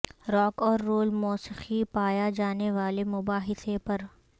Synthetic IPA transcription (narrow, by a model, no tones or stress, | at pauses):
ɾɔːkɔːɾːoːlmɔːsɪxipaːjad͡ʒaːneʋaːlemʊbaːɦɪsepɐɾ